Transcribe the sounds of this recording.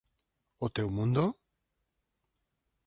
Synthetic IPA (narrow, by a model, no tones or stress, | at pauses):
ot̪ewmund̪o